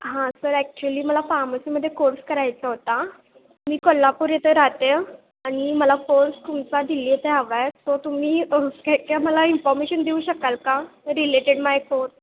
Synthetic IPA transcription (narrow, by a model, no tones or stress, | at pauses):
ɦãsəɾɛk̚t͡ɕuəliːməlafaɾməsiməd̪ʱːjekoɾskəɾajt͡saɦot̪a | miːkɔlːapuɾjet̪eɾat̪e | añiməlakoɾst̪umt͡sad̪iliːet̪eɦaʋajsɔt̪um̤iːəkakaməlainfɔɾmeɕənd̪iuːɕəkalkaɾileʈeɽmajkoɾs